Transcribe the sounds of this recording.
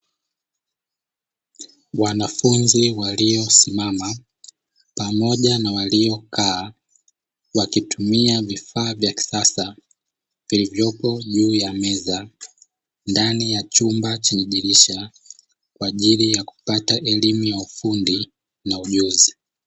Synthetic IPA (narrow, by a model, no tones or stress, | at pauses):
wanafunziwaliɔsimama | pamɔʄanawaliɔkʰaː | wakitumiavifaːvjaki̥sasa | vilivjɔpɔʄuːjamɛza | ndanijat͡ʃumbat͡ʃiɲiʄiɾiʃa | kwaːʄilijaku̥pataʔɛlimujaufundi | nauʄuzi